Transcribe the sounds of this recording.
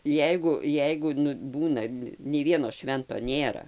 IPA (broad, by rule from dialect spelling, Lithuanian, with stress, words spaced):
ˈjɛɪɡʊ ˈjɛɪɡʊ nʊ ˈbuːnɐ nʲɛɪ ˈʋʲiɛnoː ˈʃʲʋʲɛntoː ˈnʲeːrɐ